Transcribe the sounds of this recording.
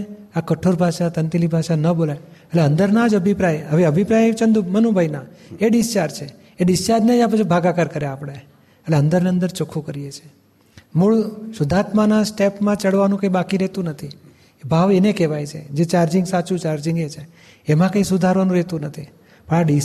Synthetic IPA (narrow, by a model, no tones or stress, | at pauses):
akəʈʰoɾbʱaʃat̪ənt̪ilibʱaʃanəbolajəʈleənd̪əɾnad͡ʒəbʱipɾajeɦəʋeəbʱipɾajt͡ʃənd̪ʱumənubʱajnaeɖist͡ʃaɾt͡ʃʰe | eɖist͡ʃaɾd͡ʒnad͡ʒapət͡ʃʰibʱaɡakaɾkəɾeapɽ̃e | əʈleənd̪əɾneənd̪əɾt͡ʃokʰũkəɾiet͡ʃʰe̥ | muɭʃʊd̪ʱat̪manasʈepmãt͡ʃəɽʋanũkə̃ĩbakiɾet̪ũnət̪ʰi | bʱaʋenekeʋajt͡ʃʰḛd͡ʒet͡ʃaɾd͡ʒɪ̃ŋɡsat͡ʃũt͡ʃaɾd͡ʒɪŋɡet͡ʃʰe | emãkə̃ĩsʊd̪ʱaɾʋanũɾet̪ũnət̪ʰi | pəɳaɖi